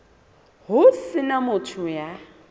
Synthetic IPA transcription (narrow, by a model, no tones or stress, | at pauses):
ɦʊsɪnamʊtʰʊja